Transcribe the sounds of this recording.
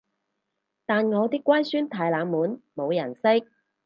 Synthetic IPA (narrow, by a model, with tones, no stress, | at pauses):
t̪aː˨nŋɔː˨˧t̪ɪ˥kːwaː˥jsyː˥nt̪ʰaː˨˧jlaː˨˧˥mmuː˨˥nmo˨˧wjɐ̰˨˩nsɪ˥k̚